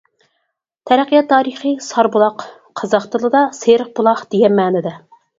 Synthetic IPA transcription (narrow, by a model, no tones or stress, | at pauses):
t̪ʰɛɾɛqijɑt̪ʰːɑːɾiχɨsɑɾbulˠɑq | qʰɑzɑχt̪ɨlˠɨd̪ɑseɾəq̚bulˠɑχd̪̥eɡʲɛnmɑːnɪd̪ɛ